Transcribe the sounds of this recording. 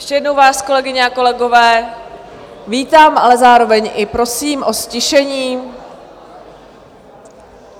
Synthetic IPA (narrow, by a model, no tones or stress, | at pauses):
jɛʃcɛjɛdnowvaːsko̞lɛɡɪɲɛako̞lɛɡo̞vɛː | viːt̪aːmʔalɛzaːɾo̞vɛɲʔɪpɾo̞siːmʔo̞scɪʃɛɲiː